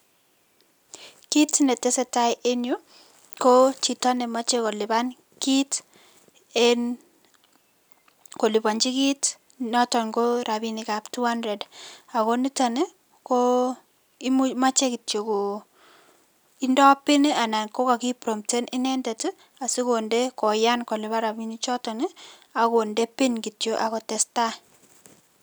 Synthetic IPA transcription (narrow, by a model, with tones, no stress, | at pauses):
ki˦tnɛ˨tɛ˦sɛ˦ta˦jʔe˦njo˦ | ko˦t͡ʃi˨ta˦ne˨ma˦t͡ʃe˦ko˨lɪ˨ban | ki˦t | en | ko˨li˨ba˨ɲd͡ʒi˦ki˦t | nɔ˦tɔ˨ŋko˦ɾabi˦ni˨kaptu˦ha˦ndɾɛ˨da˨ko˦ni˦ta˦ne˦ | ko˦ | i˦mu˦ma˦t͡ʃe˦ki˨tjo˨ko˨ | i˦ndɔ˦pɪ˦n˦a˨na˨nko˦ka˨ki˦pɾo˨mte˦nʔɪ˦nɛ˦ndɛ˨tɪ˦ | a˨si˦ko˨nde˦kɔ˨ja˦nko˨lɪ˨βa˦ɾa˨bi˨ni˦t͡ʃɔ˦tɔ˨ni˦ | a˨ko˨nde˦pɪ˦nki˨tjo˦ʔa˨kɔ˨tɛ˨sta˦